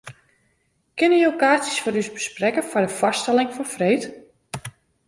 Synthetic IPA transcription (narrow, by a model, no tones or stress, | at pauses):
kɪnəjowkaːsisfɔɾysbəsprɛkəfɔdəfɔstɛlɪŋfɔnfreːt